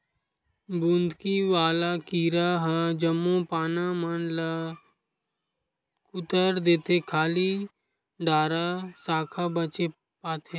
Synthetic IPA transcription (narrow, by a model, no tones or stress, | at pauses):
bũːnd̪ʱkiʋaːlakiːɾaɦad͡ʒəmːõpaːnamənla | kʊt̪əɾd̪eːt̪ekʰaːli | ɖaːɾasaːkʰabət͡ʃe | paːt̪ʰe